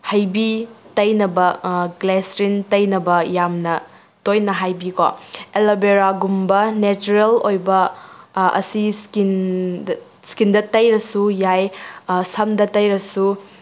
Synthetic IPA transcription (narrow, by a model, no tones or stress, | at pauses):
hɐjbitɐjnɐbɐɡlesɾintɐjnɐbɐjamnɐ | tojnɐɦajbiko̰elɐbeɾaɡumbɐnet͡ʃuɾelojbɐ | ɐ̰siskin | skindɐtɐjɾɐsujajsɐmdɐtɐjɾɐsu